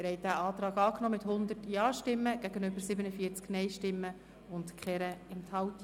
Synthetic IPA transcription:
ɾhɛɪd̥æːʔɑːtɾɑːɡɑːknɔːmɪthʊnd̪ətjɑːʃtɪmːəɡ̥æɡənøbəɾsɪbənəfiəɾt͡sknɛɪʃtɪmːə | ʊntkχɛɾəɪmt̪ʰɑwt

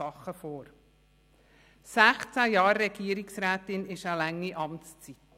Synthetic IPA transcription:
ɑχəfoːɾ | sæχt͡sæjɑːɾːɛɡ̥iəɾɪksɾæːtɪnɪʃəlæŋːiʔɑmt͡st͡sit

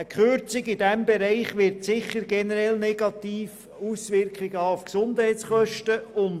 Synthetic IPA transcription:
əkχøɾt͡sɪɡɪdɛmbeɾɛɪχʋɪɾtsɪχəɾɡɛnəɾɛlnɛɡ̥ɑtiːf | usʋɪrkχɪɡəəufksʊndhɛɪtt͡ssχœʃtəʊn

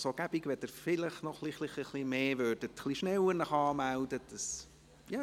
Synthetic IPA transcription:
soɡ̥æb̥iɡʋɛtdəɾfɪləχnɔχliχliχiχlimeːvød̥ətχliʃnɛwəɾnəχɑːmældəd̥əs | jɑ

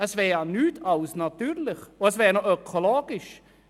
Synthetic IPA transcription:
əsvɛːɾanyːtʰɑlsnɑt̪yːɾlɪχoəsvɛːɾnoøkʰoloːɡ̥ɪʃ

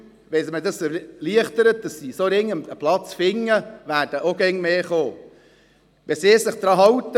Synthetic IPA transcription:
ʋɛsmədɑsəliəχt̪əɾət̚d̥ɑsːisoɾɪŋːəməplɑt͡sfɪŋːəʋæːrd̥əʔoɡɛŋmeːχoː | ʋɛsɪːsɪχd̥̪ɾɑːɦɑwt̪ə

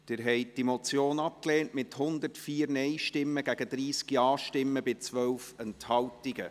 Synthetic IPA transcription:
d̥ɪɾɦɛɪd̥imɔt͡sjoːnɑp̚klɛːnmɪthʊnd̪ərtfiːɾnɛɪʃtɪmːəɡæɡ̥ədɾiːskiɑːʃtɪmːəbɪt͡sʋœwfɛnthɑwtiɡə̰

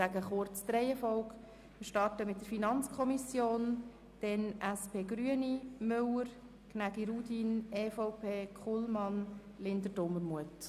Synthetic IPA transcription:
æɡəχʊɾt͡sd̪ɾɛɪɛfɔʊk | mɪʃtɑrtəmɪt̚d̥əɾfinɑnt͡skʰɔmisjoːn | d̥ɛnæspʰeːɡɾyənimʏwəɾ | knæɡiɾuːdinɛfɔʊpʰeːkχulmɑn | lɪndəd̥ʊmːəɾmuət

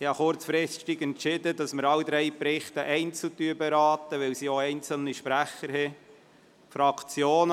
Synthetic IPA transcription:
ɪhɑχʊɾt͡sfɾɪst̪iɡɛntʃɪd̪ədɑsməɾɑwd̪ɾɛɪpɾɪχt̪əʔɛɪnt͡sl̩t̪yːbɛɾɑːt̪əʋɛwsioɛɪnt͡səl̩niʃpɾæχəɾhɛ | fɾɑkt͡sjoːn

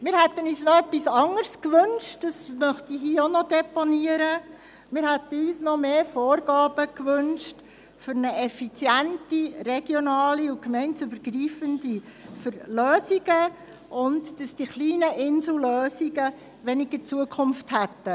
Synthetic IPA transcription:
mɪːɾhæt̪ənyːsnɔœpːisɑŋəɾskʋɵnʃtdɑsmœχtiɦiːəonɔdɛponiəɾə | mɪːɾhæt̪əyːsnɔmeːfoːɾɡ̥ɑːb̥əkʋʏnʃt | fʏɾnəʔɛfit͡sjæntiɾɛɡ̥jɔnɑːliʊkmɛɪntsybəɾɡ̥ɾiːfəndifəɾløːsiɡə | ʔʊntd̥ɑsd̥iχliːnəʔɪnsl̩løːsiɡə | ʋɛniɡ̥əɾt͡suəkʰʊmfthæt̪ːə

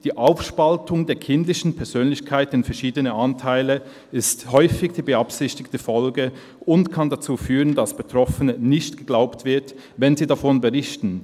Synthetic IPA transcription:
d̥iːʔaʊfʃpaltʊŋdeːɐkʰɪndlɪçn̩pʰɛɐz̥øːnlɪçkʰaɪtɪnfɛɐʃiːdənəʔantʰaɪlə | ɪsthɔʏfɪɡd̥iːbəapsɪçtɪktəfɔlɡə | ʊntkʰandat͡suːfyːʁəndasb̥ətʁ̥ɔfənənɪçtɡ̥əɡlaʊptv̥ɪɐt | vɛnziːdafɔnbəʁɪçtn̩

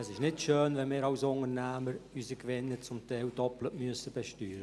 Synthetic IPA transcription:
ɑsɪʃnɪtʃøːnvɛnmɪːɾawsʊŋərnɛːməɾysəkvɪnːət͡sʊmtʰɛɪldɔplətmyəsəb̥ɛʃtyːɾə

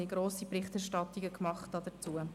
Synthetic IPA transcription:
ɪɡ̥ɾoːsipɾɪχtɛɾʃtɑtiɡəkmɑχtdɑd̥ət͡suə

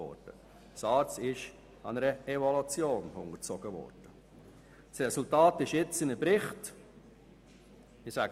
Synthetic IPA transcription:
ɔ̰ɾd̥ə | sɑːɾt͡sɪʃ | ɑnɛɾəɛvɔlut͡sjoːnʊ̰ŋət͡sɔɡ̥əvɔ̰ɾd̥ə | srɛsʊltɑːtɪʃjɪt͡sɪnəpɾɪχt | ɪsæ

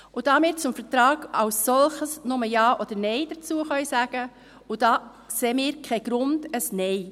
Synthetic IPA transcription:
ʔʊd̥ɑːmɪːɾt͡sʊmfəɾtɾɑːɡ̥ɑwsːɔlχəsnʊməjɑːʔɔd̥̪əɾnɛɪd̥ət͡suəχœɥsæːɡ̥ə | ʊd̥ɑː | seːmɪːɾkʰχɛɡ̥ɾʊnd̥əsnɛɪ

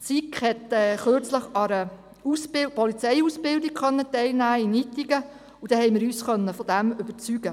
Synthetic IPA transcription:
t͡sikχhɛtɛːχøɾt͡sləχɑɾə | usbɪpɔlit͡sɛɪusb̥ɪldiɡ̥χœnːətɛɪlnæːinitiɡ̥ə | ud̥̪ɛhɛjmɪːɾyːsχœnːəfɔd̥̪æmʏb̥əɾt͡syɡ̥ə

